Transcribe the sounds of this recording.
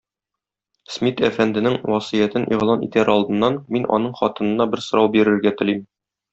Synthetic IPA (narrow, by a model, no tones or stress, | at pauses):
smʲit̪æfænd̪ɘ̆nɘŋwɒsijæt̪ɘnʔiʁlˠɑnḭt̪æɾɒlˠd̪ɤ̆nːɑnminʔɒ̰nɤɴχɒt̪ɤ̆nɤ̆nːɑbɘɾsŏɾɑwbiɾɘ̆ɾɡæt̪ɘ̆lim